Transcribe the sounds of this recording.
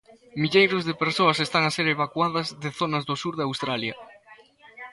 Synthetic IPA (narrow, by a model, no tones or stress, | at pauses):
miʎejɾʊzðɪpeɾsoɐsest̪aŋaseɾeβ̞akwaðɐzðɪθonɐzðʊsuɾðawst̪ɾaljɐ